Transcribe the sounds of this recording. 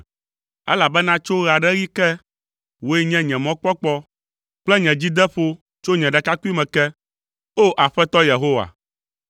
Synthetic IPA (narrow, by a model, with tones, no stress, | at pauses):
ɛ̰˦la˨bɛ˦nã˦t͡ʃo˦ɣa˨ɖɛ˦ɣi˦kɛ˦ | wo˦ɛ˦ɲɛ̃˦ɲɛ̃˨mɔ̃˦k͡pɔ˦k͡pɔ˦ | k͡plɛ˦ɲɛ̃˨d͡ʑi˦d̪ɛ˦ɸo˦ | t͡ʃo˦ɲɛ̃˨ɖɛ˨ka˦ku˦i˦mɛ̃˨kɛ˦ | o˦ʔa˨ɸɛ˦t̪ɔ˦je˨ɦo˦wa̰˨